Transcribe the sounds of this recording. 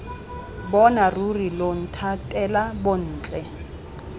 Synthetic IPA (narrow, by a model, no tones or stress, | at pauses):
bɔnarurilon̩tʰatʼɛlabon̩ːt͡ɬʼɛ